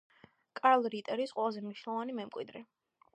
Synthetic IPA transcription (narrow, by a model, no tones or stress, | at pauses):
kʼalˠɾit̪ʼɛɾisqʼwɛlˠazɛmniʃnɛlˠɔvanimɛmkʼwid̪ɾɛ